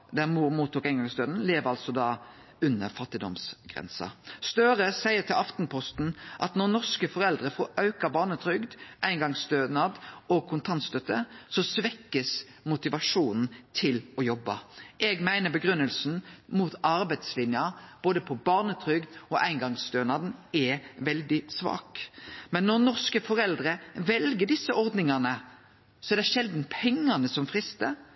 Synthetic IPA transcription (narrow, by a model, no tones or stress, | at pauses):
d̪æʁmuːɾmuːt̪ːuːkæɪŋɡɑŋst̪øːd̪n̩leːʋəʁɑlsɔd̪ɑː | ʉnːəʁfɑt̪ːɪd̪ɔ̰msɡ̥ʁɛ̰nsɑ̰st̪øːɾəsæɪət̪ʰɪlɑft̪n̩pʰɔst̪n̩ʔɑ̰t̪nɔʁnɔʁskəfɔʁɛld̪ʁəfoːʔɑʉkɑbɑːʁnət̪ʰɾʏɡd̪ʔæɪnɡɑŋst̪øːnɑd̪ɔɡ̚kʰʊnt̪ʰɑnt̪st̪œt̪ːəsɔsʋɛkːəs | mʊt̪ɪʋɑʂuːnn̩t̪ʰɪlɔjɔbːɑʔɛɡmæɪnəbəɡɾʉnːəlsn̩mut̪ʰɑɾbæɪt̪slɪnjɑb̥oːd̪əpʰɔbɑːʁnət̪ʰʁʏɡd̪ɔʔæɪnɡɑŋst̪øːnɑːd̪n̩ɛʋɛld̪ɪsʋɑ̰ːkmɛnːɔʁnɔʁskəfɔɾɛld̪ɾəʋɛlɡəd̪ɪsːəʔɔɾd̪nɪŋɑnə | sɔɛɾd̪æʂɛld̪n̩pʰɛŋːɑnəsɔmfʁɪst̪ə